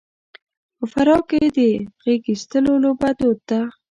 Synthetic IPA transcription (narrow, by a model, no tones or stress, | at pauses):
pəfaɾɑked̪əɣeɡist̪əlolobad̪ot̪ːa